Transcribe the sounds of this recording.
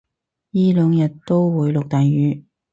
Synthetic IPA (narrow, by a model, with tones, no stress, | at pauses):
jiː˥lœː˨˧ŋjɐ˨t̚t̪o˥wwuː˨˧jlʊ˨k̚t̪aː˨jjyː˨˥